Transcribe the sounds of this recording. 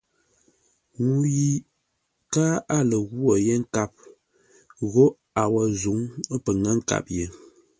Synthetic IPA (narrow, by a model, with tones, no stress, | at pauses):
ŋu˨ji˨ | kaː˦a˦lə˨ɣwo˨je˦ŋ̩˦ka˦˨p̚ | ɣo˦ | a˨wə˨zu˨˦ŋ˦pə˨ŋa˦ŋ̩˦˨ka̰˨p̚je˨˦